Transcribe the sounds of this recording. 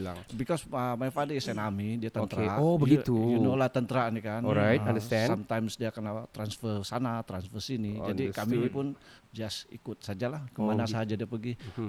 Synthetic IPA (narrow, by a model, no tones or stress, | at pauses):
abikɔsəmajfadisɛnamidiat̪ət̪əɾobəɡit̪ujunolaht̪ənt̪əɾanikanɾajtãndəɛsamt̪ajmsdiakanat̪ɾansfərsanat̪ɾansfərsinid͡ʒadikaminipʊnd͡ʒasḭkʊt̪̚sad͡ʒalahkəmanasaad͡ʒadiapəɡi